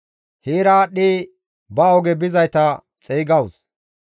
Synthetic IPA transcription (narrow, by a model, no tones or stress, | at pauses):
heːɾaːɗiː | bɐɔɡɛbɪzɐjt̪ɐ | t͡sʼɛːɡɐws